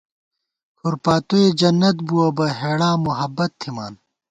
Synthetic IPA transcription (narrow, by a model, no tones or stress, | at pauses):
kʰuɾpaːt̪oed͡ʑɐnːɐt̪̚buɐbɐɦeːɽaːmuɦɐbːɐt̪ʰːima̰ːn